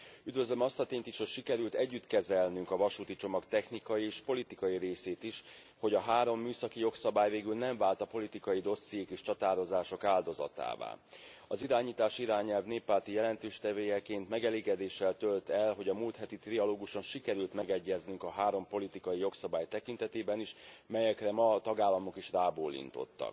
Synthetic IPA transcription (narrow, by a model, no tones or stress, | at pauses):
yd̪vø̞zlømɒst̪ɒt̪eːɲt̪iʃho̞cʃikɛɾylt̪ɛɟːyt̪kɛzɛlnyŋkɒvɒʃuːt̪it͡ʃo̞mɒkt̪ɛxnikɒjieːʃpo̞lit̪ikɒjiɾeːseːt̪iʃ | ho̞ɟɒɦaːɾo̞mːyːsɒkijo̞ksɒbaːjveːɡylnɛɱvaːlt̪ɒpo̞lit̪ikɒjid̪o̞sːijeːkeːʃt͡ʃɒt̪aːɾo̞zaːʃo̞kaːld̪o̞zɒ̰t̪a̰ːva̰ːɒziɾaːɲiːt̪aːʃiɾaːɲɛlvneːpːaːrt̪ijɛlɛnt̪øːʃt̪ɛveːjɛkeːnt̪mɛɡɛleːɡɛd̪eːʃɛlt̪ølt̪ɛlɦo̞ɟɒmult̪hɛt̪it̪riɒloːɡuʃo̞nʃikɛɾylt̪mɛɡɛɟːɛznyŋkɒɦaːɾo̞mpo̞lit̪ikɒjijo̞ksɒbaːjt̪ɛkint̪ɛt̪eːbɛniʃmɛjɛkrɛmɒt̪ɒɡaːlːɒmo̞kiʃraːboːlːḭnt̪o̞̰t̪ːɒ̰k